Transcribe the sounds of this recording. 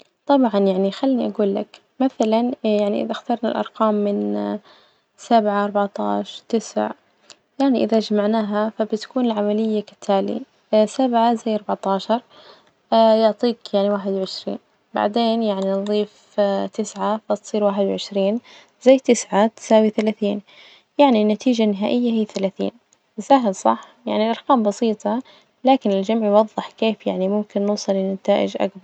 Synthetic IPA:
t̪ˤɑbʕɑnjaʕnixalːniʔaɡuːlːak | maθalanjaʕniʔɪ̰ðaxt̪ɑɾˤnalʔɑ̰ɾˤqɑːmːɪn | sabʕaɑɾˤbɑʕt̪ˤɑ̰ːʃɑɾˤt̪ɪsʕ | jaʕniʔɪðad͡ʒamaʕnaːɦafabɪt̪ḁkuːnɪlʕamalɪjːakɪ̥t̪ʰːaːlḭ | sabʕazajːɑɾˤbɑʕt̪ˤɑːʃɑɾˤ | jʊʕt̪ˤiːkjaʕniwaːħɪd̪wʕɪʃɾḭːn | ba̰ʕd̪eːnjaʕninðˤiːf | t̪ɪsʕafat̪sˤiːɾwaːħɪd̪wʕɪʃɾiːn | zajːt̪ɪsʕat̪ɪ̥saːwiθalaːθiːn | jaʕninːat̪iːd͡ʒanɪɦaːʔɪjːahiːθalaːθḭːn | saɦɪlsˤɑ̰ħ | ja̰ʕnilʔɑɾˤkaːmbɑsiːt̪ˤɑ | laːkɪnɪld͡ʒamʕjwɑðˤːɨħkeːfjaʕnimʊmkɪnːʊːsˤɑlːɪnat̪aːʔɪ̰d͡ʒʔa̰kbɑɾɾˤ

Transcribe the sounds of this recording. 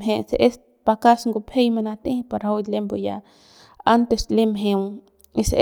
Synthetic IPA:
ɦẽseʔes | pakasŋɡupʰejmanat̪ẽhpaɾowd̪lemboja̰ | ant̪eslemɦẽ | ise

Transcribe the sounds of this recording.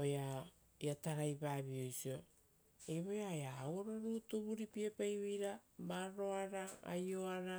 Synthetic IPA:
oja | iataɾajbaːβio̞jsio | eβojajaːwoɾoɾuːtoβuɾipiapajβejɾamaɾo̞aɾaa̰jo̞aɾa

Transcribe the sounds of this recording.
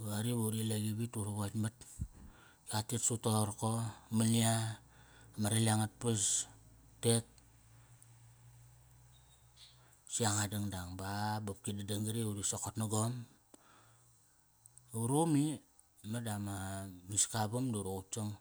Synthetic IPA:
aɾiβaɾileɡiβituɾoβatmat̚ | katitsutoɾkomania | maɾeliaŋat̚pas | tet̚ | siaŋadaŋdaŋbabap̚kidadaŋɡiɾiuɾisokotnaɡom | uɾomi | madamamiskabumduɾout͡ʃoŋ

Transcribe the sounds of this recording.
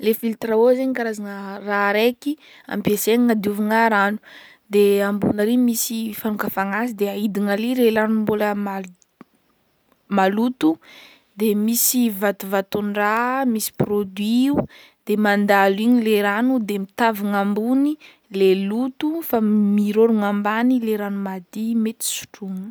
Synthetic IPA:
lefilt̪ɾaozeɲikaɾazanəraɾeki | a̰mpeseniŋad̪iuviŋaɾanu̥ | d̪eambṵnəɾimisifanukafaŋasid̪eaid̪iŋaliɾelanumbuləma | malut̪u | d̪emisivat̪uvat̪unramisi̥prod̪ɥiu | d̪̥emand̪aliɲileɾanud̪emit̪aviŋambuni | lelut̪ufamiɾoɾuŋambanileɾanumad̪imet̪i̥su̥ʈ͡ʂuŋ

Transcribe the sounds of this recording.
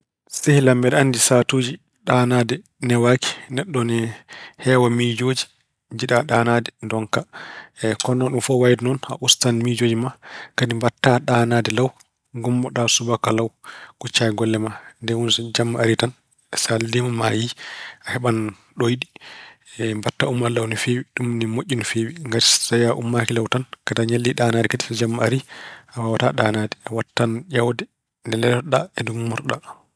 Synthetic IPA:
sehlambɛɗandisatod͡ʒi | ɗanadɛ | nɛwaki̥nɛɗːɔnɛhɛwamid͡ʒoːd͡ʒi̥ | d͡ʒiɗaɗaːnadɛndɔŋka | kɔnːɔɗumfɔwajdnɔna̰ʔustanmid͡ʒoːd͡ʒimakadimbatːaɗanadɛlaw | ɡumbɔɗasubakalawkut͡ʃːajɛɡɔlːɛmandɛwunsɔd͡ʒamːaaɾitan | ɛsaldimamajiahɛɓan | ɗojɗiɛmbatːaumːalawnifewiɗumnimoʔʲːinfewiŋɡaɾsajaʔumːakilawtankataɲalːiɗaːnaːdɛkati̥sɔd͡ʒamːaaɾiawawataɗaːnadɛawatːand͡ʒawdɛ | ndɛlɛlɔɗaɛdummːɔɾɗa

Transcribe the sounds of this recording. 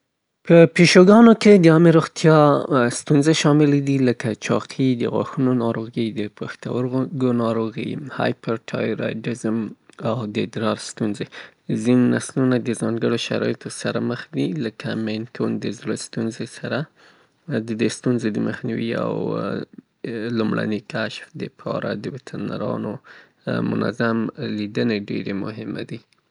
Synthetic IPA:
pəpiʃoɡɑnoked̪əɑmeɾoɣt̪jɑst̪unzeʃɑmɪled̪iləkat͡ʃɑ̰qʰid̪əɣwa̰xunonɑɾoɣid̪əpaxt̪a̰wəɾɡonɑɾoɣḭhɑ̰jpəɾʈʰɑ̰joɾa̰jʈɪzəmawd̪əd̪ɾɑɾst̪unzezinnaslunad̪əzɑŋɡəɽoʃa̰ɾɑ̰jet̪osaɾa̰məxd̪iləkʰamenkʰond̪əzɾəst̪unzesaɾa | d̪əd̪est̪unzed̪əməxniwia̰w | lumɽʔa̰nikaʃfd̪əpʰɑ̰ɾa̰d̪əbɪt̪ʰəɾna̰ɾɑ̰no | mʊ̰na̰zamlid̪əneɖeɾemʊɦɪma̰d̪i

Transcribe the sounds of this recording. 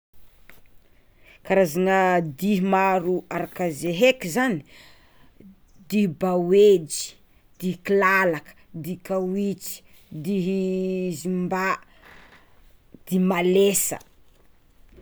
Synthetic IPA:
kaɾazanəd̪iɦmaɾuaɾakəzeɦekizani̥ | d̪ihbawed͡ʒi̥ | d̪̥ikilalakə̥d̪ikawit͡si̥ | d̪iɦzimba | d̪̥imalesə̰

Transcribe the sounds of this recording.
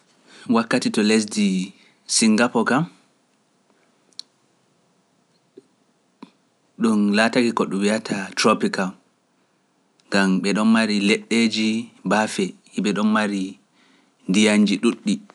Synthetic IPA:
wakːatitɔles̬di | siŋɡapɔkam | ɗunlataɡikɔɗuwiatʰatɾɔpikal | ŋɡamɓɛɗɔnmaɾilɛɗːed͡ʒibafɛhiɓɛɗɔnmaɾi | ndijaɲd͡ʒiɗuɗːi

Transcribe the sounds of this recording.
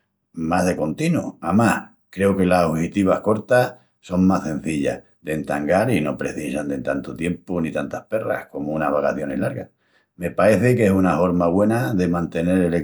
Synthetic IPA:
maɦðe̞ko̞nt̪inuamah | kɾe̞oke̞lasohit̪iβ̞ahko̞ɾt̪ah | so̞ŋmase̞n̟θiʎa̰h | ðe̞nt̪aŋɡaɾino̞pɾe̞̰θisand̪ent̪ant̪ot̪je̞mponit̪ant̪ahpe̞ra̰hko̞mounahβakaθjo̞ne̞ɦlaɾɣa | me̞pae̞θekesunafo̞ɾmaβwe̞naðe̞mãnt̪e̞ne̞ɾele

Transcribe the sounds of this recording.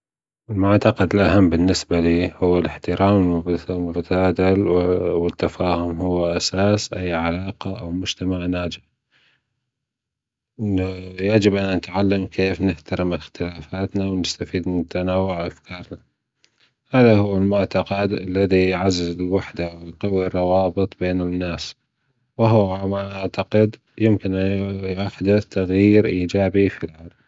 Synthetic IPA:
ʔɪlmʊʕt̪ɑqɑd̪ɪlʔaɦamːbɪnːɪsbaliːhʊwːɪlɪħt̪ɪɾʔaːmmʊbt̪aːd̪alwɪt̪ːafaːhʊmhʊwːaʔasaːsʔajːʕalaːqaʔawmʊd͡ʒt̪amaʕnaːd͡ʒɪħ | jad͡ʒɪbʔanːanɪt̪ʕalːamkʰeːfnɪħt̪aɾɪmɪxt̪ɪlaːfaːt̪nawnɪst̪afiːd̪nat̪anaːwːʊʕʔafkʰɑːɾˤna | haːðahʊwːɪlmʊʕt̪aqɑd̪ʔalːaðijʕazːɪzɪlwaħd̪awɪlqawirˤːɑwɑːbɨt̪ˤbeːnɪnːaːs | wɪɦʊmaʔaʕt̪aqɪd̪ | jɪmkɪnʔjaħd̪ɪt̪aɣjiːɾʔiːd͡ʒaːbifilʕalm

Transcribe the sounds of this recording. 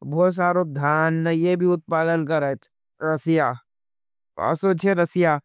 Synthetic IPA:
bʱoːt̪s̬aːɾod̪ʱjaːnːɐjebʱiʊt̪̚paːlənkɐɾet̪ | ɾɐsɪjaː | a̰ːsoːt͡ʃʰeɾɐsɪjaː

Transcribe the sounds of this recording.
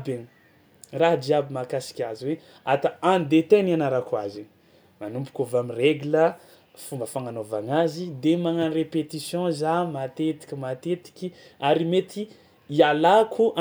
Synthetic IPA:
beni | raɦad͡ʒiabimakasi̥kʲaziwe | at̪aãnd̪et̪enianaɾakwazini | manumpu̥kʲovamireɡulə | fumbəfaŋanova̰ŋazid̪emaŋanirepet̪isjɔ̃zamat̪et̪i̥kʲimat̪et̪i̥kʲi | aɾimet̪i | ialakʰuʔa

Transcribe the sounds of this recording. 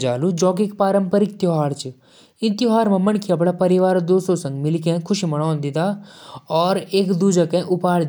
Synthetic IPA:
d͡ʒaːlud͡ʒɔːk̬ekpaːɾəmpəɾikt̪jɦaːɾt͡ʃ | ɪ̃nt̪iɦaːɾmãmɐɳkʰiɐp̬ɽapɐɾiʋaːɾd̪oːsõsɐ̃ŋɡmɪlkẽkʰʊʃimɐɽ̃ãːnd̪ɪt̪aːɔːɾeːkd̪uːd͡ʒakɛ̃ʔʊpaːɽ

